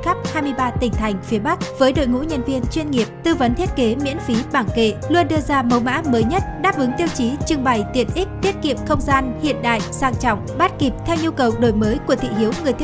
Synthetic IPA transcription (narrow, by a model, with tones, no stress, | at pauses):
xa˦˥p̚haː˧jmɨ˧əjɓaː˧t̪ï˨˩ŋ̟t̪ʰa˨˩jŋ̟fi˨˦əɓa˦˥k̚v̥əː˨˦jɗo̰˧˨jŋṵ˧˥ɲə˧nvi˧ənt͡ɕwi˧nŋi˨˩əp̚t̪ɨ˧və˨˦nt̪ʰi˦˥ət̚ke˨˦mḭ˧˥ənfi˨˦ɓaː˧˩ŋkḛ˧˨lu˧ənɗɨ˧əzaː˧mə˨˦wma̰ː˧˥məː˨˦jɲə˦˥t̚ɗaː˦˥p̚ʔɨ˨˦ŋt̪i˧əwt͡ɕi˨˦t͡ɕɨ˧ŋɓa˨˩jt̪i˨˩ənʔi˦˥k̟̚t̪i˦˥ət̚kḭ˨˧˨əmxə˧wŋ͡mzaː˧nhḭ˧˨ənɗa̰ː˧˨jsaː˧ŋt͡ɕɔ̰˧˨wŋ͡mɓa˦˥t̚ki˨˩p̚t̪ʰɛ˧wɲu˧kə˨˩wɗo˨˩jməː˨˦jku˧˩ət̪ʰḭ˧˨ɦi˨˦əwŋɨ˨˩əjt̪